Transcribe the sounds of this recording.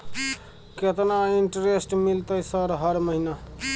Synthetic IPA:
ket̪naiɳʈəɾesʈmilt̪əjsəɾɦʌɾməɦina

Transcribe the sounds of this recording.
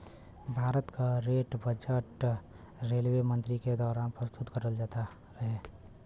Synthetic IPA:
bʱaːɾət̪kaɾeʈbəd͡ʒəʈ | ɾeːlwemə̃nt̪ɾiked̪ɔːɾaːnpɾəst̪ʊt̪kəɾəld͡ʒaːt̪a | ɾəɦe

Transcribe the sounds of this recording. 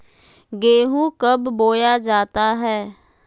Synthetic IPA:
ɡeːɦũːkəbːoːjaːd͡ʒaːt̪aːɦɛː

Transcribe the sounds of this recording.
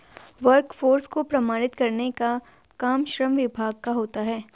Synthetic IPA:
ʋɐɾkfoːɾskopɾɐmaːɽ̃ɪt̪kɐɾneka | kaːmʃɾəmʋɪbʱaːɡ̚kaɦoːt̪aɦɛː

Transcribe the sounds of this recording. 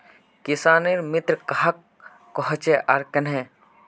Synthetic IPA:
kɪsaːniɾmɪt̪ɾkɐɦakː | ɔɦt͡ʃeʔɐɾkɐnɦɛ̃ː

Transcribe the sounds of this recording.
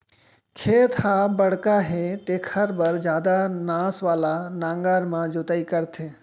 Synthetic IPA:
kʰeːt̪ʰhaːbɐɽ̤kaɦeːt̪eːkʰɐɾbɐɾd͡ʒjaːd̪anaːsʋaːlanãːŋɡaːɾmãd͡ʒʊt̪aːikəɾt̪ʰeː

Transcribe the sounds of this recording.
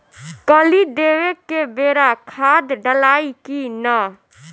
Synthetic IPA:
kəlid̪eːwekːebeːɾakʰaːd̪ɖəlaːikinə

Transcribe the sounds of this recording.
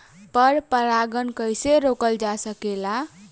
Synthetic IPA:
pəɾpəɾaɡənkəjseɾokəld͡ʒasəkela

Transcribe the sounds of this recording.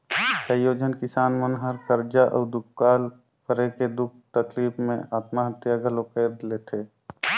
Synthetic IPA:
kəjoːd͡ʒənkɪsaːnmənɦəɾkəɾd͡ʒaʔɔːd̪ʊkkaːl | pəɾeked̪ʊk̚ʰt̪əkliːpʰmḛ̃aːt̪maɦət̪jaɡʱəlokeːɾd̪leːt̪ʰeː

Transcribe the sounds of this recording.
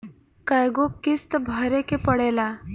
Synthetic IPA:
kajɡokist̪bʱaɾekepəɽela

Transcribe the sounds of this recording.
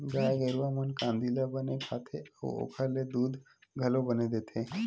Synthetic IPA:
ɡaːaɡəɾuamənkãːnd̪ilabɐnekʰaːt̪ʰeə̰o̰kʰəled̪uːd̪ʱ | ɡʱɐlobɐned̪eːt̪ʰe

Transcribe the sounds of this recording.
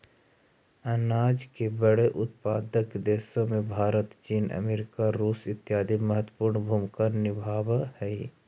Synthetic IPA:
ɐnaːd͡ʒkebəɽeʔʊt̪paːd̪əkd̪eːʃõmẽbʱaːɾət̪t͡ʃiːnə̰meːɾɪkaɾuːsɪt̪jaːd̪iməɦət̪wəpuːɾɳbʱuːmkanɪbʱaːwhɛi

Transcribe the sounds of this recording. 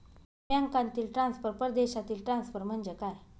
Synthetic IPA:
jaŋkãnt̪iːlʈɾansfəɾpəɾd̪eɕat̪iːlʈɾansfəɾm̤ənd͡ʑekaj

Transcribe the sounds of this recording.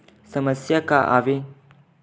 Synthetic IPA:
səməsjakaʔa̰ʋe

